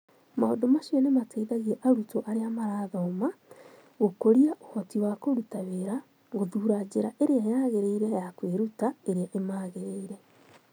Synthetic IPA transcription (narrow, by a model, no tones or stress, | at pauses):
ma̰o̰domaʃiɔnemateiðaɣiɛʔaɾutoʔaɾeamaɾaːðɔma | ɣokoɾiaʔohɔtiwakoɾutaβeɾa | ɣoðuːɾad͡ʑeɾaʔeɾeajaɣeɾeiɾɛjakweɾutaeɾeaʔemaːɣeɾeiɾɛ